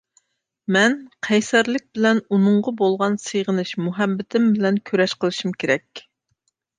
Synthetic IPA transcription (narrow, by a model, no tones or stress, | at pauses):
mɛnqʰɛjsɛɾlɪk̚ʲbɪlɛnunʊɴʁɑbolˠʁɑnsɨjʁənɨʃmuɦɛbːɪt̪ʰɪmbɪlɛnkʲʰøɾɛʃqəlˠɨʃymkʲʰeɾɛkʲ